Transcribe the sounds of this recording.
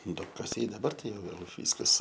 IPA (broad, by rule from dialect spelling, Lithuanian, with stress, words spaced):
duɔpkɐˈsʲɛɪ dɐˈbɐr ˈtɐɪ ˈjɛʊ ʋʲeːlˠ ˈʋʲiːskɐs